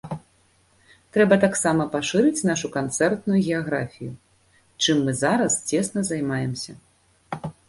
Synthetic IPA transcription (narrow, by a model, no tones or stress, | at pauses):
t̪ɾɛbɐt̪aksamɐpaʂɨɾɨt͡sʲnaʂukant̪sɛrt̪nujuɣʲɛaɣɾa̰fʲiju | t͡ʂɨmːɨzaɾɐst͡sʲɛsnɐzajmajɛmsʲɐ̰